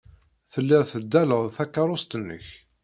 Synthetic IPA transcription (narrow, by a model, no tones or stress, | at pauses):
θəlːɪʁθəd̪ːæləʁθækːɑɾˤʊst̪ənːə̰ç